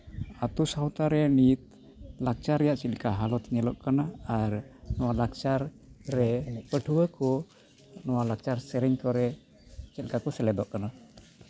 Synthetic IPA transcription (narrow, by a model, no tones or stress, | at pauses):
at̪usawt̪aɾɛnit̪̚ | lak̚t͡ʃaɾɛjaʔt͡ʃɛt̪kaɦalɔt̪ʰɲɛlɔʔkanaaɾnɔwalak̚t͡ʃaɾː | ɛpəʈʰuwəkɔ | nɔwalak̚t͡ʃaɾsɛɾɛɲkɔɾɛ | t͡ʃɛl̚kakɔsɛlɛd̪ɔʔkana